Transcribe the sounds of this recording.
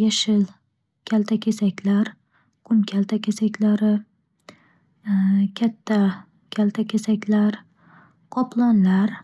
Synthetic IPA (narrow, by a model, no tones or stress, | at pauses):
jaʃɪl | kʲʰalt̪ʰakʲʰesakʲʰlaɾ | qʰʊmkʲʰalt̪ʰakʲesakʲlaɾɪ | kʲʰat̪ʰːa | kʲʰalt̪ʰakʲesakʲlaɾ | qʰɒplˠɒnlaɾ